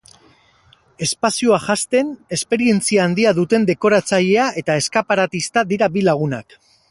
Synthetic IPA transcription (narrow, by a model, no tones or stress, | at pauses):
e̞spasioaʝast̪e̞ne̞spe̞ɾie̞nt͡siaːnd̪iaðut̪e̞nd̪e̞ko̞ɾat͡saʎe̞aʔe̞t̪ae̞skapaɾat̪ist̪aðiɾabilaɣ̞una̰k